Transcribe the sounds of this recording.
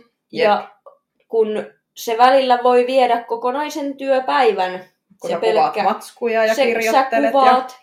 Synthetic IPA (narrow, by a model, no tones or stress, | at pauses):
jɑ | kun | seʋælilːæʋoiʋiedækkokonɑisent̪yøpæiʋæn | sepelkːækujjsesækːuʋɑːt̪